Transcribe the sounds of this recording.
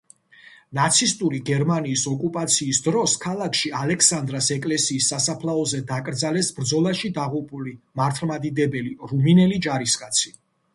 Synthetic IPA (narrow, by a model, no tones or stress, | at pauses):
nat̪sʰist̪ʼuɾiɡɛɾmaniːsɔkʼupʼat̪sʰiːsd̪ɾɔskʰalˠakʰʃialɛkʰsand̪ɾasɛkʼlɛsiːsːasapʰlˠaɔzɛd̪akʼɾd̪zalɛsbɾd̪zɔlˠaʃid̪aʁupʼulimaɾt̪ʰlˠmad̪id̪ɛbɛliɾuminɛlid͡ʒaɾiskʼat̪sʰi̥